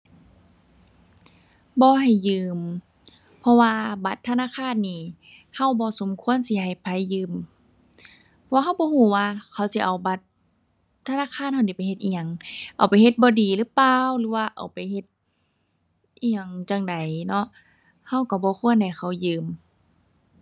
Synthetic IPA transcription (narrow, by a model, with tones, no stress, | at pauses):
bɔː˧˦ɦa˨˩jːɯː˧m | pʰɔ˧waː˧ba˧˦t̪ʰːa˧naː˧˥˨kʰaː˧˥˨nːiː˧˩ | ha˧˩˨wbɔː˧˦so˨˦mkʰu˧˨ə˨nsiː˧˦ɦa˧˩jpʰa˧˦jːɯː˧˨m | pʰɔ˧waː˧ɦa˧˩wbɔː˧˦huː˧˩waː˧kʰa˧˩wsi˧˦ʔa˨˩wba˧˦t̪̚ʰː | a˧naː˧˥˨xʰaː˧˨nha˧˩wniː˧˩pa˨jhe˧t̪̚ʔiː˧ŋa˧˨ŋʔa̰˨˩wpa˨jhe˧t̪̚bɔː˧˦diː˨˩lɯː˧˥˨paː˧wlɯː˧˦waː˧ʔa̰˨˩wpa˨jhe˧t̪̚ | ʔiː˧ɲa˧˩ŋt͡ɕa˧˩ŋda˨jnɔ˧ʔ | ha˧˩wka˧˩bɔː˧˦kʰu˧˨ənha˨˩jxa˧˩wjɯː˧˩m